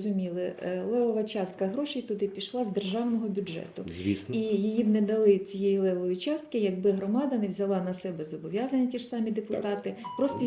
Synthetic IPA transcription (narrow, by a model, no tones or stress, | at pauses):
zʊmʲilˠɪlˠɛʋɔʋɐt͡ʃɑst̪̚kɐɦɾɔʃɪjt̪ʊd̪ɪpʲiʃlˠɑzd̪erʒɑwnɔɦɔbʲʊdʒɛ̰t̪ʊzʲʋʲḭsijijibnɛd̪ɐlˠɪt͡sʲijɛjilˠɛʋɔʋʲit͡ʃɑst̪kɪjɐɡ̚bɪɦɾɔmɑd̪ɐnɛwzʲɐlˠɑnɐsɛbɛzɔbɔʋʲjɑzɐnʲːɐtʲiʂsɑmʲid̪epʊt̪ɑt̪ɪpɾɔst